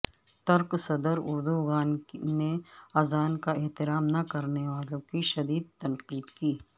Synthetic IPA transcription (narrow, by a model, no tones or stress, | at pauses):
t̪ɐɾqsɐd̪əɾʊ̰ɾd̪uɡaːnneaːzaːnkaɛɦt̪ɪɾaːmnakɐɾneʋaːlõkiʃɐd̪iːd̪̚t̪ɐnqliːt̪kiː